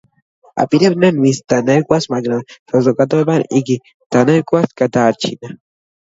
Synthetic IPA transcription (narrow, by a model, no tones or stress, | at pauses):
a̰piɾebnanwist̪aneɾkwasmaɡnasozokat̪obaniki | t̪aneɾkʷwaskat̪aɾt͡ʃḭna